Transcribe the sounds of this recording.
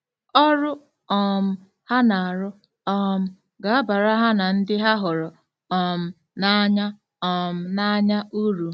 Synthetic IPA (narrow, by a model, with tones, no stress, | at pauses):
ɔ˦ɾʊ˦ | ɔ˨m̩˦ | ha˦na˨a˨ɾʊ˦ | ɔ˨m̩˦ | ɡa˨a˦ba˨ɾa˦ɦa˦na˨n̩˦dɪ˦ɦa˦ɦʊ˨ɾʊ˨ | ɔ˨m̩˨ | na˨˦ɲa˦ | ɔ˨m̩˦˨na˦ɲa˦ʔu˦ɾu˨